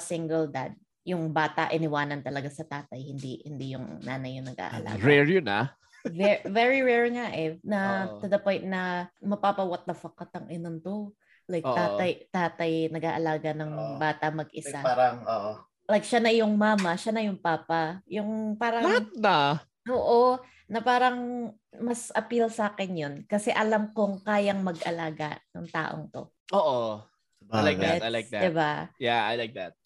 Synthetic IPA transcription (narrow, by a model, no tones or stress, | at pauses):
sɪŋɡɛld̪a̰d̪̚ | jʊŋbaːt̪ɐʔɪnɪwaːnɐnt̪ɐlɐɡasɐt̪aːt̪ɐjhɪnd̪ihɪnd̪ijʊŋnaːnɐjʊŋnɐɡ̚ʔa̰ːʔɐ̰lʔa̰ɡɹɛɹjʊna̰ | vɛvɛɹiɹɛɹŋaʔɛnɐt̪ʊd̪ɐpɔjnt̪̚nɐmɐpaːpɐwɐt̪̚nɐfɐkɐt̪ɐŋʔɪnont̪ʊ | lajkt̪aːt̪ɐjt̪aːt̪ɐjnɐɡaːʔɐlaːɡɐnɐŋbaːt̪ɐmɐɡʔɪsaŋoʔ | lajk̚ʃanɐjʊŋmaːmɐʃanɐjʊŋpaːpɐjʊŋpaːɾɐbɐŋhat̪̚nɐ | ʔoːʔo | nɐpaːɾɐŋ | mɐsʔɐpilsaːkɛnjonkɐsɛʔɐlamkoŋkaːjɐŋmɐɡʔɐlaːɡɐ̰nɐŋt̪a̰ːʔo̞̰ŋt̪o̞̰ | ʔoʔo | lajkɛlajk̚d̪d̪ɪbajaa̰jlajk̚d̪at̪̚